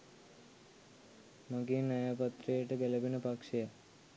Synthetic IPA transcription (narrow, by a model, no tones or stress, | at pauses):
maɡinːajapat̪ɾijəʈəɡɛlebinəpakʂeja